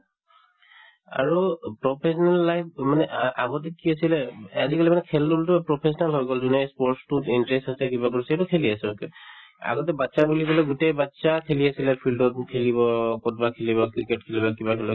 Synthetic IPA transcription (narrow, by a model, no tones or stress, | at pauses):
a̰ɹupɹɔpʰesɔnalːajpmanɛʔʔaɡɔt̬ɛkiasilɛazikalimanɛkʰɛldultupɹɔpʰes̬ɔnalɦɔjɡɔlzunɛspɔɹtstutintɹestasɛkibakoɹisetukʰeliasɛkɛ | a̰ɡɔt̬ɛbatːsabuliɡɔlɔɡutejbatːsakʰeliasilɛpʰildɔt̚kʰeliβɔkɔt̚bakʰeliβɔkɹiket̚kʰelibakibakʰɛlɔ